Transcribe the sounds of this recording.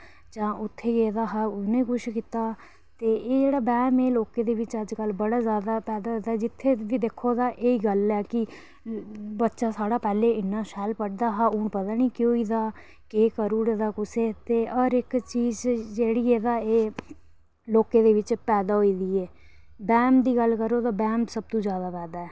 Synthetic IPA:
d͡ʒãːʔʊt̪ʰːeːɡeːd̪aːɦaːʊnẽːkʊʃkiːt̪aː | t̪eːeːd͡ʒeːɽaːbɛːmeːloːkeːd̪eːʋɪt͡ʃəd͡ʒkəlbəɽaːzjaːd̪aːpɛːd̪aːɦoːd̪aːɛːd͡ʒɪt̪ʰːeːʋiːd̪ekʰːoːd̪aːʔeːiːɡəlɛːkɪ | bətːʃaːsaːɽaːpɛːleːɪnːãːʃɛːlpəɽd̪aːɦaːuːɳpət̪aːniːkɪoːiːd̪aː | keːkəɾuːɽd̪aːkʊseːt̪eːʔɔːɾɪkt͡ʃiːzd͡ʒeːɽiːeːd̪aːeː | loːkeːd̪eːʋɪt͡ʃpɛːd̪aːɦoiːd̪iːɛː | bɛːmd̪iːɡəlkəɾoːt̪aːbɛːmsəb̚t̪ũːzjaːd̪aːpɛːd̪aːɛː

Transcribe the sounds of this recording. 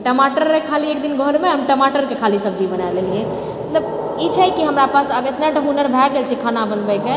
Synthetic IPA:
ʈəmaʈəɾmekʰaliek̚d̪inɡəɦlmeɦəmʈəmaʈəɾkekʰalisəb̚d͡ʒ̪ibənaelelie | mət̪ləb | it͡ʃʰɛkiɦəmɾapasəbjet̪naɖʱəɦunəɾbʱɛɡelt͡ʃʰɛkʰanabənbɛke

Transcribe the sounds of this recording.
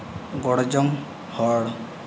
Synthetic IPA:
ɡɔɽd͡ʒɔm | hɔɽ

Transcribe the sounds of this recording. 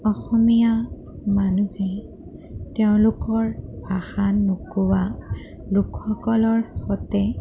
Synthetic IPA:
ɔxɔmija | manuhe | teʊ̃lʊkɔɹbʱaxanːukuwa | lukxɔkɔlɔɹxɔtɛ

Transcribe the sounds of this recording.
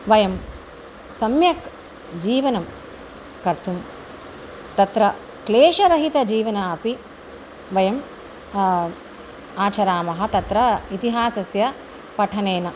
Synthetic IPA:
ʋɐjɐm | sɐmjɐk | d͡ʒiːʋɐnɐm | kɐɾt̪ʰum | t̪ɐt̪ɾɐ | kleːʃɐɾɐɦit̪ɐd͡ʒiːʋɐnaːɐpi | ʋɐjɐm | aːt͡ʃɐɾaːmɐɦɐ̆t̪ɐt̪ɾɐit̪iɦaːsɐsjɐ | pɐʈʰɐneːnɐ

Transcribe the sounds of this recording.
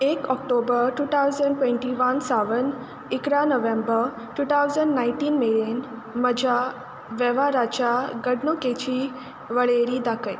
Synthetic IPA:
ekɔk̚ʈobəɾʈuːt̪ʰawzəɳɖʈʋẽɳʈiʋənsaʋən | ikɾanəʋẽmbəɾ | ʈut̪ʰawd͡zəɳɖnaiɳʈiːnmelen | məd͡ʑʱa | ʋɛʋaɾat͡ɕaɡəɽɳoket͡ɕiː | ʋəɭeɾiːd̪akəj

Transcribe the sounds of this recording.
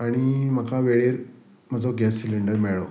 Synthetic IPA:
aɽ̃im̤əkʰaʋeɭeɾ | m̤əd͡zoɡɛsːiliɳɖəɾmeɭo

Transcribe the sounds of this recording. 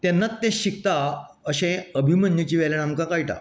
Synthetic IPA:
t̪ɛnːat͡sːẽɕik̚t̪a | əɕẽəbʱimənjət͡ɕiːʋɛlenamkãkajʈa̰

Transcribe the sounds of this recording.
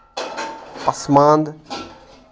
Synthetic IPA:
pɐsmãːnd̪

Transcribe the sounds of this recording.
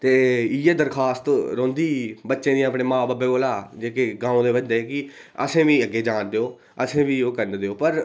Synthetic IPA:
t̪eːijeːd̪əɾkʰaːst̪ɾõːnd̪iːbətːʃẽːd̪ij̃əpɳeːmãːbaːbeːoːlaːd͡ʒeːkeɡãːõːd̪eːʋəd͡ʒd̪eːkɪ | ə̰sẽːʋiːəɡeːd͡ʒaːnd̪eːoː | əsẽːʋiːoːkəɾnd̪eːoːpəɾ

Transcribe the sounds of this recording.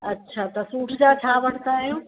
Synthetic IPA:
ɐtːɕʰaːt̪ɐsuːʈʰd͡ʑat͡ɕʰaːʋɐɽ̤̃t̪aːɦijũː

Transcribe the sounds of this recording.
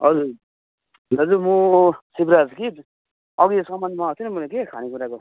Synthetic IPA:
ɦʌd͡zuɾ | ʌd͡zumusibɾad͡zki | ʌɡisʌmːʌndmaɦot̪ʰinimʌlekekʰanekuɾako

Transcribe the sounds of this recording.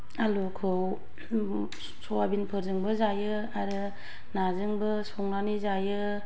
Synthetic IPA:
alukʰɯw | sowabinpʰɯɾzɯŋbɯzajɯ | aɾɯ | nazɯŋbɯsɔŋnanizajɯ

